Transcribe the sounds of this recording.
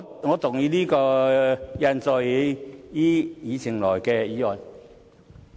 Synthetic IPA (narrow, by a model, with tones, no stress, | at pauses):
ŋɔː˨˧t̪ʊ˨˩ŋjiː˧liː˥kɔː˧jɐ˧nt͡sɔː˧jjiː˦˥jiː˨˧t͡sʰɪ˨˩ŋlɔː˨˩jkɛː˧jiː˨˧ɔː˨˩j